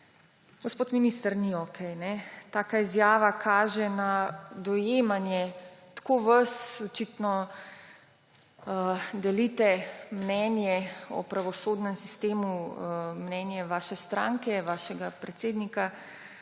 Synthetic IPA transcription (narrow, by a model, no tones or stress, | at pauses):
ɡospot̪miniːst̪əɾniɔkʰɛjnɛt̪aːkaizjaːʋakʰaːʒɛnad̪ɔjemanjɛt̪koʋəsɔt͡ʃit̪nɔ | d̪ɛlit̪ɛmnɛnjɛɔ̰pɾaʋɔsoːd̪nɛmsist̪eːmumnɛːnjɛʋaːʃɛst̪ɾã̰ŋkɛʋaːʃɛɡapɾɛt̪seːd̪nika